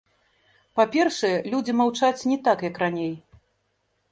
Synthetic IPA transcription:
papʲɛrʂɐjɛlʲud͡zʲimawt͡ʂat͡sʲnʲɛt̪akjɐkranʲej

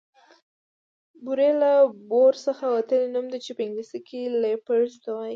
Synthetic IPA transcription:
buɾelaboɾsəxawat̪əlenumd̪it͡ʃepəɪŋɡlisikʰilepəɾzd̪awaj

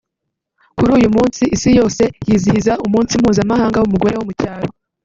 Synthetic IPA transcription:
kuɾuːjumuːnsiʔisijo̞ːse̞jiːzihizaumuːnsim̥huːzamaɦaːŋɡawumuɡo̞ɾe̞womucaːɾo

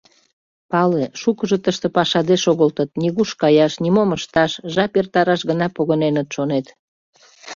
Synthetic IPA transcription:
pɑleʃukəʒot̪əʃt̪ĕpɑʃɑd̪eʃoɣəlt̪ət̪niɣuʃkɑjɑʃnimoməʃt̪ɑʃʒɑpert̪ɑɾɑʃɣənɑpoɣənenət̪ʃonet̪

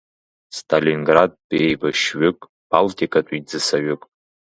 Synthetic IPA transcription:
stʰalinɡrad̚bejbaʃɥʏkʼ | b̥altʰʼikʼatʷʼid͡zɨsaɥʏkʼ

